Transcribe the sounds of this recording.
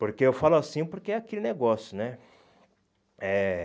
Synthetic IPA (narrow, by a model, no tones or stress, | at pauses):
poɾkeewfalʊasĩpoɾkeɛakelɪneɡɔsjʊnɛ | ɛ